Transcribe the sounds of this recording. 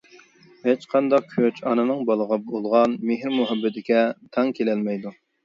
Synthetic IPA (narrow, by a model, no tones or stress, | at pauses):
het͡ʃqʰɑnd̪ɑq̚kʲʰøt͡ʃʰɑnɨnɨŋbɑlˠəʁɑbolˠʁɑnmeɦɾmuɦɛbːɪt̪ɪkʲɛt̪ʰɑŋkʲʰelɛlmɛjd̪u